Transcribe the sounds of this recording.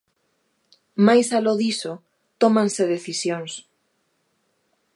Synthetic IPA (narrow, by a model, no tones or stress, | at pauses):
majsaloðiso | t̪omãnseðeθisjoŋs